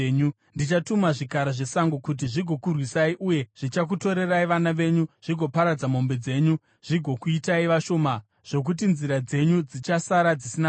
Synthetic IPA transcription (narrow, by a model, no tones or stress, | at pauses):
ɲu | ndit͡ʃatumaʐikaɾaʐe̞saŋɡokut̬iʐiɡʱo̞kurwisaiʔuje̞ʐ̥it͡ʃak̬uto̞ɾe̞raiʋanaʋe̞ɲuʐ̥iɡʱo̞paɾad͡zamo̞mbe̞d͡ze̞ɲu | ʐ̥iɡʱo̞kuitaiʋaʃo̞ːma | ʐ̥o̞k̬ut̬inziɾad͡ze̞ɲud͡zit͡ʃasaɾad͡zisina